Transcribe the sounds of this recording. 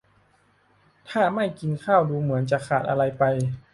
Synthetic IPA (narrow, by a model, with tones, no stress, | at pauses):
t̪ʰaː˥˩ma˥˩jki˧nkʰaː˥˩wduː˧mɯ˩˦ənt͡ɕa˨˩kʰaː˨˩t̪̚ʔa˧ɾa˧jpa˧j